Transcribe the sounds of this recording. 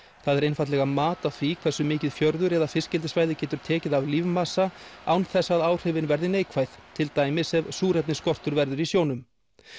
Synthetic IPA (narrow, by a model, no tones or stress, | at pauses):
θaðɛɾejnfat̪lɛɣamaːt̪aθikʰvɛsʏmɪːcɪðfjœɾðʏɾɛðafɪscɪlt̪ɪsvaːjðɪcɛːt̪ʏɾ̥t̪ʰɛːcɪðavliːvmasaawnθɛsːaðaːwr̥ɪvɪnvɛɾðɪneːjkʰvajð̥t̪ʰɪlt̪aːjmɪsɛvsuːɾɛt̪nɪskɔr̥t̪ʏɾvɛɾðʏɾisjoːwnʏm